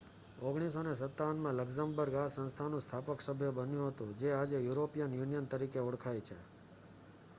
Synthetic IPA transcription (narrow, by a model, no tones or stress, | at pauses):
oɡɽ̃is̬onesət̪ːaʋənmãləɡzãmbəɾɡasə̃nst̪ʰanũst̪ʰapəksəbʱjəbənjũɦət̪ũd͡ʒead͡ʒejuɾopijənjunijənt̪əɾikeuɽkʰajt͡ʃʰḛ